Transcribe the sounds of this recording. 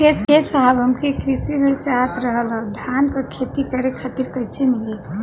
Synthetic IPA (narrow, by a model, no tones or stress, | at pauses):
eskesəɦabɦəmkekɾisiɦəɾt͡ʃat̪ɾəɦələd̪ʱankəkʰet̪ikəɾekʰat̪iɾkəjt͡ʃʰemile